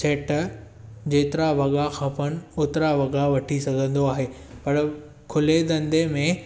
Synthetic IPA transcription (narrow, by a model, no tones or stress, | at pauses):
seːʈ | d͡ʑeːt̪ɪɾaʋɐɠaxʰãːpɐnɪ̆ʊt̪ɪɾaʋɐɠaʋɐʈʰisɐɡʱə̃nd̪oaːɦeː | pɐɾ | kʰʊled̪ɐ̃nd̪emẽ